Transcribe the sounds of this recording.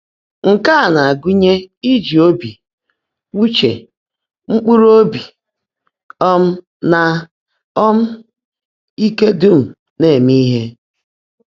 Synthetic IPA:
ŋ̩˨ka˦a˨na˨a˨ɡu˦ɲe˦i˦d͡ʒi˨o˦bi˨ | wu˦t͡ʃḛ˨ | ŋ͡m̩˦k͡pu˦ɾo˦bi˨ | ɔ˦m̩˦ | na˦ | ɔ˦m̩˦ | i˦ke˦du˦m̩˨ | ne˦˨mi˦ɦe˦

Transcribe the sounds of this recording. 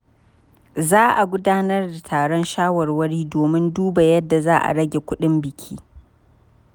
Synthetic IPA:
zaː˦ʔa˨ɡʷʊ˦daː˦nɐ˦rda˨tʰaː˨ɽɔ˦nʃaː˦wɐ˨rwɐ˦ɽiː˦doː˨mɪ˦nduː˦ba˨jɐ˦dːa˨zaː˦ʔa̰˨ɽɐ˦ɡʲe˨kʷʊ˦ɗɪ˦mbɪ˨kʲʰḭː˦

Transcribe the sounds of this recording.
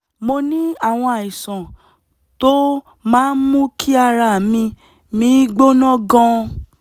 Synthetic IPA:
mo˧nĩ˦a˦˨w̃ɔ̃˧a˨i˨sã˨ | to˦ | mãː˦n̩˦mũ˦kʰi˦a˧ɾa˧˨mĩ˧ | mĩ˨˦ɡ͡bo˦nɔ̃˦ɡɔ̃˦

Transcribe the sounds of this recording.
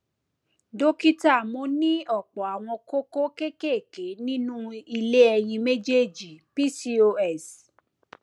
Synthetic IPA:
do˦ki˦ta˦˨mõ˨˦nĩ˦ɔ˦˨k͡pɔ˨a˨w̃ɔ̃˧ko˦ko˦ke˦ke˦˨ke˨˦nĩ˦nũ˦i˧le˦ɛ˧j̃ĩ˧me˦d͡ʒe˦˨d͡ʒi˨pi˦si˦o˧ɛ˦˨s

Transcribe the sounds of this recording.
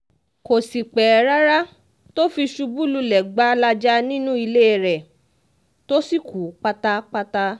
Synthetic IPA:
ko˨si˨k͡pɛ˨a˨ɾa˦ɾa˦ | to˦fi˧ʃu˧bu˦lu˧lɛ˨ɡ͡ba˦la˧d͡ʒa˦nĩ˦nũ˦i˧le˦e˧˨ɾɛ˨ | to˦si˦˨ku˨˦k͡pa˧ta˧k͡pa˧ta˧

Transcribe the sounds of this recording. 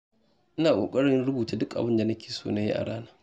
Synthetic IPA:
ʔɪ˦naː˨kʷʼo̰ː˨kʼɐ˦ɽɪ˦nɽʊ˦buː˨ta˨˦dʊ˦kʔa˨bɪ˦nda˨nɐ˦kʲeː˨soː˦na˦jḭ˦ʔa̰˨ɽaː˦naː˦

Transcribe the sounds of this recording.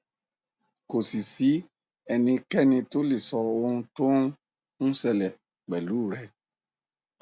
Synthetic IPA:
ko˨si˨si˨˦ | ɛ˨nĩ˧kɛ˦nĩ˧to˦li˨sɔ˨o˧˦to˦ŋ | ŋũ˦sɛ˧lɛ˨ | k͡pɛ˨lu˦˨ɾɛ˦

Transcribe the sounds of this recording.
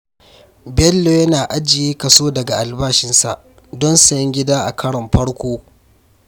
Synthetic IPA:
bɛ˦lːo˨jɐ˦naː˨ʔa˦d͡ʒɪ˨jeː˦kɐ˨soː˦dɐ˨ɡa˨ʔa˨lbaː˦ʃɪ˦nsa̰˨ʔ | dɔ˦nsɐ˨jɐ˦ŋɡʲɪ˦daː˦ʔa̰˨kʰɐ˦ɽɐ˨mɸɐ˦ɽkʷoː˦

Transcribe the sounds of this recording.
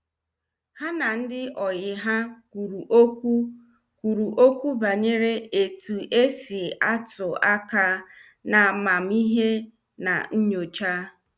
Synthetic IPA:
ha˦na˨n̩˦dɪ˦ʔɔ˨jɪ˨ɦa˦ | u˨ɾu˨˦u˦ | kʷu˨ɾu˨ʔo˦kʷu˦ba˨ɲe˦ɾe˦e˨tu˨ʔe˦si˨a˦tʊ˨a˦ka˦ | na˨ma˨m̩˦i˦ɦe˦ | na̰˨n̩˦ɲo˨t͡ʃa˦

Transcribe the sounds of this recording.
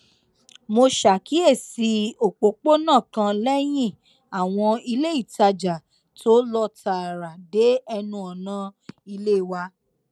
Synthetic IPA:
mo˧ʃa˨ki˨˦e˦˨si˧o˨k͡po˨˦k͡po˦nãː˦˨kã˧lɛ˦j̃ĩ˦˨ | a˨w̃ɔ̃˧i˧le˦i˦˨ta˧d͡ʒa˨ | tʰo˨˦lɔ˦ta˨ɾa˨de˨˦ɛ˧nũ˧ɔ˨nã˦i˧le˦˨wa˧˦

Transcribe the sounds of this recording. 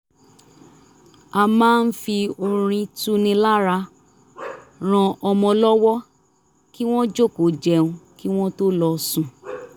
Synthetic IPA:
a˧mãː˦˧n̩˦fi˧o˧ɾ̃ĩ˧tu˦nĩ˧la˦ɾa˧ | ɾ̃ã˧ʔɔ˧mɔ̃˧lɔ˦wɔ˦ | ki˦w̃ɔ̃˦d͡ʒo˦˨ko˨˦d͡ʒɛ˧˦ũ˧ki˦w̃ɔ̃˦to˦lɔ˧sũ˨

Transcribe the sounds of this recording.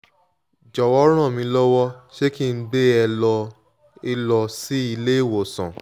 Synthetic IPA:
d͡ʒɔ˨wɔ˦ɾ̃ã˦˨mĩ˨˧˦lɔ˦wɔ˦ʃe˦ki˦˧n̩˦ɡ͡be˦ɛ˧lɔ˧ | i˧lɔ˧si˦i˧le˦i˦˨wo˨sã̰˨

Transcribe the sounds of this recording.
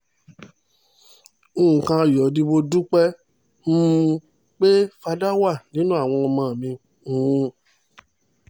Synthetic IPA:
ũ˨kã˧˨jɔ˨di˧bo˧du˦k͡pɛ˦ | m̩˦˧ | k͡pe˦fa˧da˦wa˦˨nĩ˦nũ˦a˦˨w̃ɔ̃˧ɔ˧mãː˧˨mĩ˧ | ũ˨˦˧

